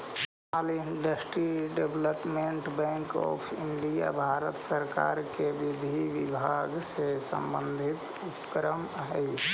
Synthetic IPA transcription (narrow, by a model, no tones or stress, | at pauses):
aliɳɖəsʈɾiɖebləpmeɳʈbɛ̃ŋkɔ̰ːpʰiɳɖija̰bʱaɾət̪səɾka̰ɾkeʋid̪ʱiʋibʱaɡsesə̰mbə̃nd̪ʱit̪ | upkɾəmɦɛj